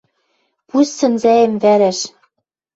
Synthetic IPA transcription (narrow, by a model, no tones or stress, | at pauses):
pusːɘ̆nzæĕmvæɾæʃ